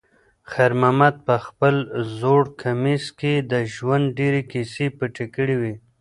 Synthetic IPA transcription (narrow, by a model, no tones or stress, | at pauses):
xaɾmamad̪̚pəxpəlzoɽkʰamisked̪əʒwand̪̚ɖeɾekisepəʈekəɽiwi